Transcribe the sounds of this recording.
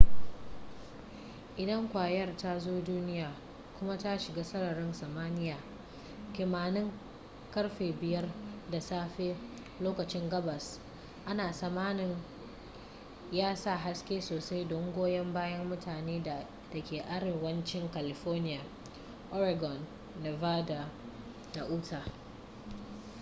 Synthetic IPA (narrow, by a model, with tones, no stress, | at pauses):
ʔɪ˨dɐ˦ŋkʷaː˨jɐ˦rta˦zoː˦duː˦nɪ˦jaː˨ | kʷʊ˦ma˦ta˦ʃɪ˨ɡaː˦sɐ˦ɽɐ˨ɽɪ˦nsɐ˨maː˦nɪ˦jaː˨ | kʲɪ˨maː˨nɪ˦ŋ | kɐ˦ɽɸeː˨bɪ˨jɐ˦rda˨saː˦ɸeː˦ | loː˦kɐ˨t͡ʃɪ˦ŋɡɐ˦bɐ˨s | ʔa˦naː˨sɐ˨maː˦nɪ˨ŋ | jaː˦sa˦˨ɦa˦skʲeː˦soː˨sa˦jdɔ˦ŋɡʷoː˦jɐ˦mbaː˦jɐ˦mːʊ˦taː˨neː˦da˨ | tɐ˨kʲeː˨ʔa˦ɽɪ˨wɐ˦nt͡ʃɪ˦ŋka˨lɪ˨ɸɔː˦rnɪ˦jaː˨ | ʔɔ˦ɾa˨ɡɔ˨nː | e˨vaː˦da˨ | da˨ʔuː˦tʰaː˨